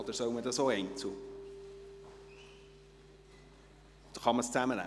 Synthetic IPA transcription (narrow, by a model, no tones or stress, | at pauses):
od̪əɾsœwməd̪ɑsoːɛɪnt͡su | χɑməst͡sæmənæ̰